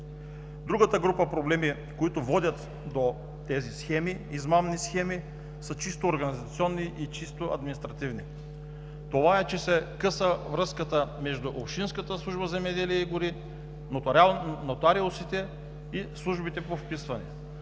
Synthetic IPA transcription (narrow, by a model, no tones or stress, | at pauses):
d̪ɾuɡət̪əɡɾupəpɾoblɛmi | koit̪ʊvɔd̪ʲət̪ | d̪o | t̪ɛzisxɛmiizmamnisxɛmi | sət͡ʃist̪oːɾɡɐnizɐt̪siɔnːiʔit͡ʃist̪oɐ̰d̪minist̪ɾɐt̪ivni | t̪ovaɛt͡ʃɛsɛkɤsəvɾɤskət̪əmɛʒd̪ʊʔopʃinskət̪əslˠuʒbəzɛmɛd̪ɛliɛiɡʊɾi | not̪ɾalˠnot̪aɾilosit̪ɛ | islˠuʒbit̪ɛpofpisvɐnɛ̰